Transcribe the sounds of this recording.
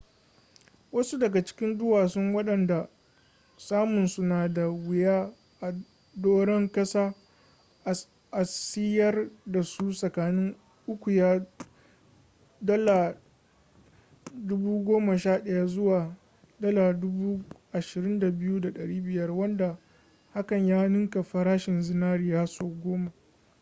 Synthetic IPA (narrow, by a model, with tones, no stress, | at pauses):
wɐ˦su˦dɐ˨ɡa˨t͡ʃɪ̥˦kʲɪ˦ndʊ˦waː˨sʊ˦ŋwɐ˦ɗɐ˨nda˨ | saː˦mʊ˨nsʊ˦naː˨da˨wɪ˨jaː˦ | ʔa˨ | doː˦ɽɛ˦ŋkɐ˦saː˦˨ | ʔa˨sɪ˦jɐ˦rda˨su˦sʼɐ˨kaː˨nɪ˦ŋ | ʔʊ˦kʷu˨jaː˦ | dɐ˦la˨ | dʊ˦buː˦ɡʷoː˦ma˨ʃaː˦˨ɗɐ˦ja˦zʊ˦waː˨ | dɐ˦laː˨dʊ˦buː˦ʔa˨ʃɪ˨ɾɪ˦nda˨bɪ˦ju˦da˨ɗɐ˨ɽiː˦bɪ˨jɐ˦rwɐ˦nda˨ | ha˦kɐ˨ɲjaː˦nʊ˦ŋka˨ɸɐ˨ɾaː˦ʃɪ˨nzɪ˦naː˦ɾiː˨jaː˦soː˦ɡʷoː˦ma˨